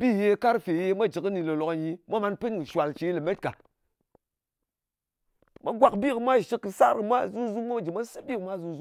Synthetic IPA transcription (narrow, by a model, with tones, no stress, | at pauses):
bi˦˨je˧˦ka˦ɾfe˨je˧mʷa˦d͡ʒɨ˨kɨ˦ni˨lo˨lo˨ka˨ji˧mʷa˦ma˧˦npɨ˦nkɨ˨ʃwa˨lt͡ʃe˨˦li˨me˦t̚ka˨ | ma˦ɡʷa˨kbi˦kɨ˨mʷa˦˨ʃɨ˧kːɨ˧sa˦ɾkɨ˧mʷa˦˨zu˦zu˦ma˦a˦d͡ʒi˨mʷa˦sɨ˦bi˦kɨ˨˦mʷa˦˨zu˦zu˦